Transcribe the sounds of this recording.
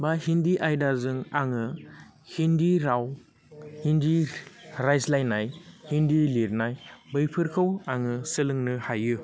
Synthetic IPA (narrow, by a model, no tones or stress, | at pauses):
bahindiʔajdaɾzɯŋaŋɯ | hindiɾaw | hindiɾajslajnajhindiliɾnajbɯjpʰɯɾkʰɯwaŋɯsɯlɯŋnɯhajɯ